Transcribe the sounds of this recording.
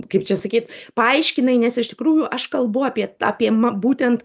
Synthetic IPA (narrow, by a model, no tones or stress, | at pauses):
kɐɪpt͡ʃʲɛsɐkʲiːt̪pɐɐɪʃʲkʲɪnɐɪnʲɛsɪʃt̪ʲɪ̥kɾuːjʊʔɐʃkɐlˠbʊɐːpʲiɛɑːpʲiɛmɐbuːt̪ʲɛnt̪